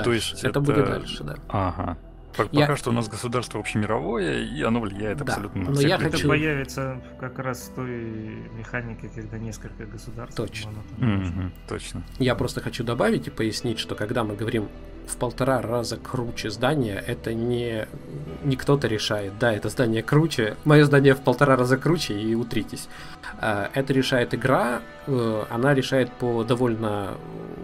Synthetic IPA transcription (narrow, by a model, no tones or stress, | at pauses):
toɪsʲɛt̪əb̪uɪt̪d̪a̰lʲʂɨd̪a̰aɦa | jɐakaʂt̪oʊnasɡəsʊd̪arst̪vəvoɕɪmʲɪɾɐvo̞jəiɐnovlʲɪjæjɪt̪ɐp̪d̪aɐlʲut̪nənnojaxɐt̪əupɐjavʲɪt̪səkɐkɾasft̪ojmʲɪxanʲɪkʲɪkɐɡ̚d̪anʲeskəlʲkəɡəsʊd̪arst̪o̞t͡ɕɐnot̪amm̩t̪o̰t͡ɕnəjapɾo̞st̪əxɐt͡ɕud̪ɐbavʲɪtʲɪpəjɪsʲnʲitʲʂt̪o̞kɐɡd̪amɨɡəvɐɾʲim | fpəlˠt̪ɐɾarazəkɾut͡ɕɪzd̪anʲɪjəʔɛt̪ənʲɪ | nʲɪkt̪o̞t̪əɾʲɪʂajɪt̪̚d̪aɛt̪əzd̪anʲɪjəkɾut͡ɕɪmɐjozd̪anʲɪjəfpəlˠt̪ɐɾaɾazəkɾut͡ɕɪiʊt̪ɾʲitʲɪsʲ | aʔɛt̪əɾʲɪʂajɪt̪ɨɡɾa | ɐ̰naɾʲɪʂajɪt̪̚pod̪ɐvo̞lʲnə